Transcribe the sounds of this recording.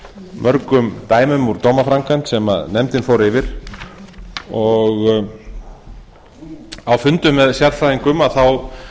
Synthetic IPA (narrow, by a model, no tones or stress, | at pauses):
mʔœɾkʏmt̪aːjmʏmuɾt̪oːwmafɾaŋkʰant̪sɛma̰ðnɛmt̪ɪnfowɾɪvɪɾ̥ | ɔɣ | awfʏnt̪ʏmːɛðsjaɾfɾaiŋkʏmaðθaw